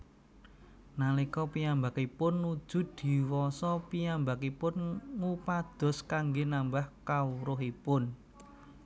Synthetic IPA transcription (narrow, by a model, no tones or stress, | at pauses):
nalikɔpiambakipʊnːud̥ʒ̥ʊ̤d̪̥i̤wɔsɔpiambakipʊnŋupad̪̥ɔ̤skaŋɡenambahkawuɾʊɦipʊn